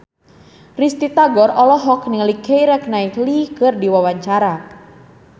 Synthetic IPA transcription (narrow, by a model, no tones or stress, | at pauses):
rist̪it̪aɡɔɾɔlɔɦɔkniŋlikejɾɛk̚naiklikɨrdiwawaɲt͡ʃaɾa